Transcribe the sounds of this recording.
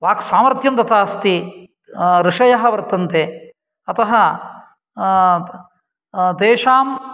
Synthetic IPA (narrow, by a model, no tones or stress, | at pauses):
ʋaːksaːmɐɾt̪ʰjɐmt̪ɐt̪ʰaːst̪i | ɾɪʂɐjɐɦɐ̆ʋɐɾt̪ɐnt̪e | ɐt̪ɐɦɐ | d̪eːʂaːm